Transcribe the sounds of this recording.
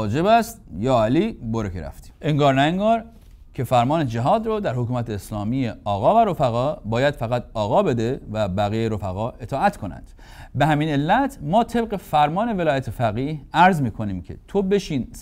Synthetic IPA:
d͡ʒebæst̪jɒːæliːboɾekʰeɾæ̰ft̪i̥ʔeŋɡɒːɾnæeŋɡɒːɾ | cʰe̞fæɾmɒːned͡ʒæɦɒːd̪ɾɔːd̪æɾhokuːmæt̪ʰe̞ːslɒːmijeɒːɣɒːvæɾo̞fæɣɒːbɒːjæd̪̥fæɣæt̪ʰɒːɣɒːbe̞d̪evæbæɣijeɾo̞fæɣɒːe̞t̪ʰɒːæt̪ʰkʰo̞næ̰nd̪̥ | be̞hæmiːne̞lːæt̪ʰmɒːt̪ʰe̞b̚ɣe̞fæɾmɒːne̞ve̞lɒːjæt̪ʰefæɣiːhæɾzmiːkʰo̞niːmcʰe̞̰t̪ʰobe̞ʃiːns

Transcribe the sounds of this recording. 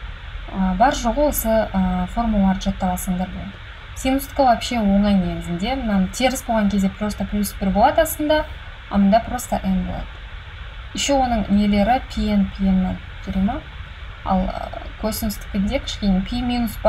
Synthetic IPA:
əbɑɾʒoʁəəsəəfo̞rmulˠɑɾʒɑt̪ːɑlˠɑsəɴd̪ɑɾbolˠɑd̪ə | sʲinust̪kəlˠapʃewo̞ɴɑjnʲemɪzɪnd̪e̞mənɑnt̪ʰeɾɪsbolˠʁɑŋkʲʰe̞zd̪e̞pʰrost̪əplʲuspʲɪrbolˠɑd̪əɑst̪ənd̪ɑ | ɑ̰mənd̪ɑprost̪əʔenbo̞lˠɑ̰d̪̥ə | ɪʃewo̞nəɴnele̞ɾɪpʲʰijenpʲʰienːa | t̪ʰʏɾema | ɑ̰lˠkʰosʲinʊst̪ɪ̥pʲɪd̪ekʲʰɪ̥ʃkʲenepʲʰimʲinusb

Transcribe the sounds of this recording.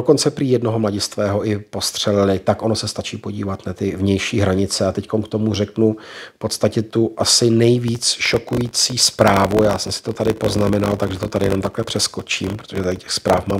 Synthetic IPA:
doko̞nt͡sɛpɾiːjɛdno̞ɦomlaɟɪst̪vɛːɦo̞ʔɪpo̞st̪r̝̥ɛlɪlɪt̪akʔo̞nosɛst̪at͡ʃiːpo̞ɟiːvat̪nat̪ɪvɲɛjʃiːɦɾaɲɪt͡sɛat̪ɛcko̞nkt̪o̞mur̝ɛknufpo̞t̪st̪acɛt̪uʔasɪnɛjviːt͡sʃokujiːt͡siːspɾaːvujaːsɛmsɪ̥t̪o̞t̪adɪpo̞znamɛnalt̪aɡʒɛt̪o̞t̪adɪjɛno̞mt̪aklɛpr̝̥ɛsko̞t͡ʃiːmpɾot̪o̞ʒɛt̪aɪcɛxspɾaːfmaːm

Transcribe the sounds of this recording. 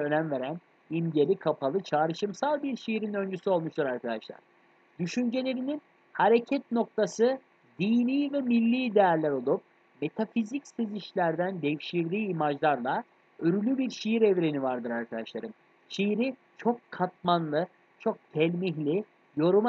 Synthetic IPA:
ønænve̞ɾæn | imɟe̞lʲikʰapʰalˠɯt͡ʃʰaːɾɯʃɯmsalˠbiɾʃijiɾinø̞nd͡ʒysyo̞lˠmuʃtd̪ɯɾaɾkʰad̪aʃlˠa̰ɾ̥ | d̪̥yʃynd͡ʒe̞lʲe̞ɾinin | haɾecʰɛt̪̚no̞k̚t̪ʰasɯ | d̪iːniːvɛmilʲːiːd̪ejaɾlʲæɾo̞lˠup̚ | me̞t̪ʰafizicseziʃlʲæɾd̪ænd̪ɛfʃiɾd̪iːimad͡ʒlˠaɾlˠa | øɾylʲybiɾʃijiɾɛvɾe̞nivaɾd̪ɯɾaɾkʰad̪aʃlˠaɾɯm | ʃijiɾi | t͡ʃʰo̞kːʰat̪̚manlˠɯ | t͡ʃʰo̞k̚t̪ʰɛlʲmiɦlʲi | jo̞ɾum

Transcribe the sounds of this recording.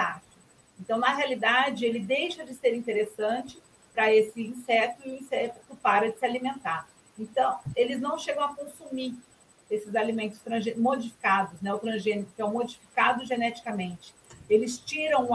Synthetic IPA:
at͡ʃ | ẽnt̪ɐ̃w̃nɐɦealid̪ad͡ʒɪelɪd̪ejʃɐd͡ʒɪseɾĩnt̪eɾesɐ̃nt͡ʃɪ̥ | pɾɐesɪĩsɛt̪ʊĩsɛt̪ʊ̥kɪpaɾɐd͡ʒɪsɪalimẽnt̪aɾ | ẽnt̪ɐ̃w̃elɪznɐ̃w̃ʃeɡɐ̃w̃ɐkõsumi | esɪzalimẽnt̪ʊst̪ɾɐ̃ʒemod͡ʒifi̥kad̪ʊsnɛʊt̪ɾɐ̃ʒẽnikʊkɪɛw̃mod͡ʒifi̥kad̪ʊʒenɛt͡ʃi̥kɐmẽnt͡ʃɪ̥elɪst͡ʃiɾɐ̃w̃

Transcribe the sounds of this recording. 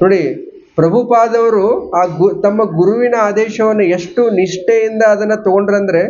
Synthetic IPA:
no̞ːɽi | pɾɐbʱupaːd̪ɐʋɐɾuaːɡt̪ɐmːɐɡuɾuʋinɐaːd̪ɛːʃɐʋɐnːueʂʈuniʂʈejind̪ɐːd̪ɐnːɐt̪oɡoɳɖɾɐnd̪ɐɾe̞

